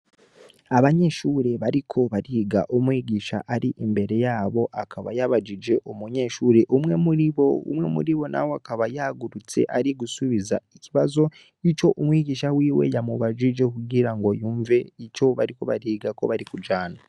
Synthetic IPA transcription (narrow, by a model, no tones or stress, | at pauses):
aβaɲe̞ʃuɾe̞βaɾikʰo̞βaɾiːɡaʔumwiɟiːʃa̰ʔaɾiʔimbe̞ɾe̞jaːβo̞ʔakʰaβa̰jaβad͡ʒid͡ʒe̞ʔumuɲe̞ʃuːɾe̞ʔumŋe̞muɾiβo̞ṵmŋe̞̰mṵɾiβo̞na̰woakaβajaɡuɾut͡se̞̰ʔaɾiɡusuβiza̰iciβazo̞ | it͡ʃo̞ʔumwiɟiːʃawiːwe̞̰jamuβad͡ʒid͡ʒe̞kuɡiɾaŋɡo̞juːɱve̞ico̞βaɾiko̞βaɾiːɡako̞̰βaɾikud͡ʒaːna